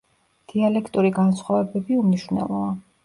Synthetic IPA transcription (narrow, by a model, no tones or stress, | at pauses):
d̪̥ialɛkʰt̪ʼuɾiɡansχwavɛbɛbiumniʃvnɛ̰lˠɔa